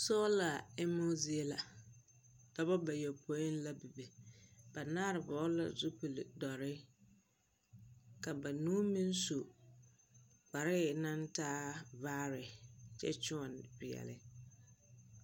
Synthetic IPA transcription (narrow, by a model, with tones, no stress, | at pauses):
sɔː˦la˨ɛ˦mo˦zi˦e˦la̰˨ | d̥a˨bɔ˦ba˨jɛ˨pʰo˨˦ɪ˦n˦la˦bi˨be˨b̥a˨naː˦ɾɪ˨bɔː˦la̰˨zʊ˦pi˨lɪ̰˨dɔ˨ɾɪ˦ | ka˨ba˨nuː˦mi˦n˦su˨ | k͡pa˨ɾɪ˦na˦ntaː˦vaː˦ɾɪ˨t͡ʃɛ̰˦t͡ʃʊ˦ɔ˨npɪ˨jɛ̰˨lɪ̰˨